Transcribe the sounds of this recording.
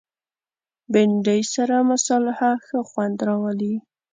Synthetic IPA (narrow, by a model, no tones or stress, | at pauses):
bɪɳɖəjsaɾamasɑlɪhaxəxwand̪ɾɑwəli